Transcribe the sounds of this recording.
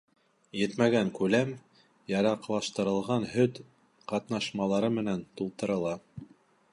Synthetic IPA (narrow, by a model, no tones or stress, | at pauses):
jɘt̪mæɡæŋkʉlæm | jɑɾɑqlˠɑʃt̪ɤ̆ɾɤ̆lˠʁɑnhɵt̪ | qɑt̪nɑʃmɑlˠɑɾɤmɘ̆nænt̪ulˠt̪ɤ̆ɾɤ̆lˠɑ